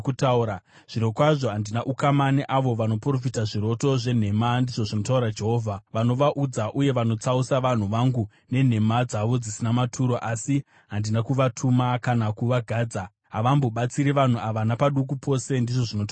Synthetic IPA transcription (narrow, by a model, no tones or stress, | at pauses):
kutauɾa | ʐ̥iɾo̞kwaʐo̞ɦandinaʔukamaneʔaʋo̞ʋano̞pro̞fitaʐiɾo̞to̞ʐe̞n̤e̞mandiʐo̞ʐino̞tauɾad͡ʒe̞ɦoːvʱaʋano̞ʋaʔud͡zaʔuje̞ʋano̞t͡sausaʋan̤uʋaŋɡu | ne̞n̤e̞mad͡zaʋo̞d͡zisinamatʰuɾoʔasi | ɦandinakuʋatʰumakanakuʋaɡʱaːd͡za | ɦaʋambo̞ɓat͡siɾiʋan̤uaʋanapaɗuk̬upʰo̞se̞ndiʐo̞ʐinota